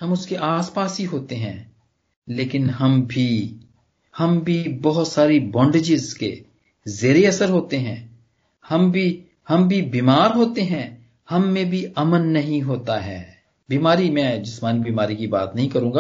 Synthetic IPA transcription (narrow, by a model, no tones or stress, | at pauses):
hɐmʊskeʔaːspaːsɦiɦoːt̪eɦɛ̃ː | leːkɪnɦɐmbʱi | hɐmbʱibɔɦʊt̪saːɾebɔ̃ːɳɖed͡ʒɪzkḛ | zeːɾeɐsəɾɦoːt̪eɦɛ̃ː | hɐmbʱi | hɐmbʱibiːmaːɾɦoːt̪eɦɛ̃ː | hɐmːẽbʱiɐmənːɐɦĩɦoːt̪aɦɛː | biːmaːɾimɛ̃ːd͡ʒɪsmaːnibiːmaːɾikiba̰ːt̪nɐɦĩkɐɾũːɡaː